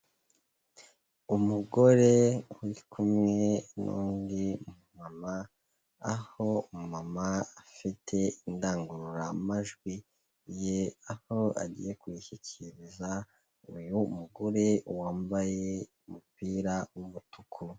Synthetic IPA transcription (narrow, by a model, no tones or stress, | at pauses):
umuɡo̞ɾewikʰumŋe̞nṵːndiumamaː | ho̞umumamaafitʰe̞indaːŋɡuɾuɾaːmaʒɡwi | jeahoa̰ɟḭje̞kwiçiciɾiza | ujuːmuɡo̞ɾe̞uwaːmbaje̞umupiːɾawumutukʰu